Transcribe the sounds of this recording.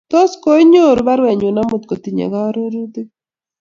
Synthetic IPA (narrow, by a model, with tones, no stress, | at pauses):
t̪ɔ˦skɔ˦i˦ɲo˦˨ɾu˨βa˦ɾwɛ˨ɲu˨na˦mu˨t̪̚kɔ˨t̪i˨ɲɛ̰˨ɣa˦ɾu˦ɾu˦d̪i˦